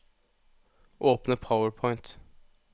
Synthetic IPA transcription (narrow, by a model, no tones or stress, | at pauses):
ʔoːpnəpʰaʊəɹpʰɔɪnt̪